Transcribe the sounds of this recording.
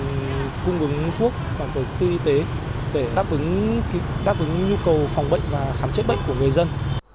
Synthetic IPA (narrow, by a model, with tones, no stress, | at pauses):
kʊ˧ŋ͡mʔɨ˨˦ŋt̪ʰu˦˥ək̚vaː˨˩vəː˨˦jkːt̪i˧ʔi˧t̪e˨˦ | ɗe˧˩ɗaː˦˥p̚ʔɨ˨˦ŋ˨˦ | ɗaː˦˥p̚ʔɨ˨˦ŋɲu˧kə˨˩wfɔ˨˩wŋ͡mɓə̰˧˨jŋ̟vaː˨˩xaː˨˦mt͡ɕə˦˥t̚ɓə̰˧˨ŋ̟ku˧˩əŋɨ˨˩əjzə˧n